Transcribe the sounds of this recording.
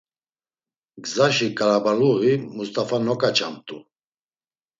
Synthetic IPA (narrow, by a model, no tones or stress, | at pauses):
ɡzaʃikʼaɾabaluɣimust̪ʼafanɔkʼat͡ʃʰʼamt̪ʼu